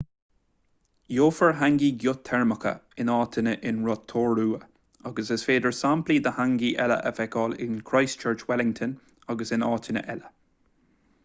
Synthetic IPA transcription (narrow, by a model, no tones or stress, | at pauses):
joːfəɹɦaŋɡiːɡjʊt̪ʰɛɹməkə̰ɪnɑːt̪ʰɪnəʔɪnɹɔt̪ʰoːɹuːə | ɑɡəsəsfeːd̪əɹsampliːd̪əhaŋɡiʔɛlə̰ʔəvɛkɔːlɪ̰nkʰɹajst͡ʃʰɜːɹt͡ʃwɛlɪŋt̪ʰən | ɑɡəsɪnɑːt̪ʰɪnə̰ʔɛlə